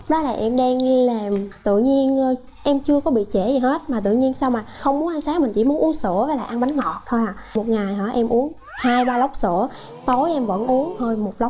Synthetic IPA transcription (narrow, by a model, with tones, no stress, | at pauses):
ɗɔ˨˦laː˨˩ʔɛ˧mɗa˧nla˨˩mt̪ɨ̰˧˨ɲi˧ənː˨˧˩ | ʔɛ˧mt͡ɕɨ˧əkɔ˨˦ɓḭ˧˨t͡ɕe˧˩zi˨˩ɦe˦˥t̚maː˨˩t̪ɨ̰˧˨ɲi˧nsaː˧wmaː˨˩xə˧wŋ͡mmu˨˦ə˦nʔa˧nsaː˨˦ŋmï˨˩ŋ̟t͡ɕḭ˧˩mu˨˦ənʔu˨˦ənsɨ̰˧˩˥əvəː˨˦laː˨˩ʔa˧nɓa˨˦ŋŋɔ̰˧˨˩t̪ʰo˧jhaː˨˩mo˨˩t̚ŋaː˨˩jɦɔ̰˧˩ʔɛ˧mʔu˨˦ən | haː˧jɓaː˧lə˦˥wk͡p̚sɨ̰˧˩˨ə | t̪o˨˦jʔɛ˧mvə̰˧˥nʔu˨˦ənhəː˧jmo˨˩t̚lə˦˥wk͡p̚